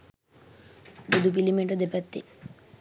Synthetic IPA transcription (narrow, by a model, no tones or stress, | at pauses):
bud̪up̬ilimeʈəd̪epat̪ːḛ